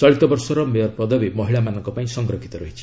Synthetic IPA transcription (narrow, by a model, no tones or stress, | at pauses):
t͡sɔɭit̪ɔbɔɾsɔɾɔmejɔɾpɔd̪ʱɔbimɔɦiɭamanɔŋkɔpaĩsɔŋɡɾɔkʰit̪ɔɾɔɦit͡ʃʰi̥